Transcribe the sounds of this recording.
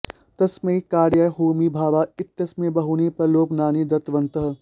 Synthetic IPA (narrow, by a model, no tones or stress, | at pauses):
t̪ɐsmẽkaːɾjaːɦuːmiːbʱaːʋaːɪt̪jɐsmẽːbɐɦuːnepɐɾloːknaːnid̪ɐt̪ʋɐ̃nt̪əɦ